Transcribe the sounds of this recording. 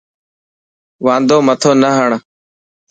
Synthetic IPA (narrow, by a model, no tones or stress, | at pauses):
ʋãːnd̪oːmət̪ʰoːnəɦəɳ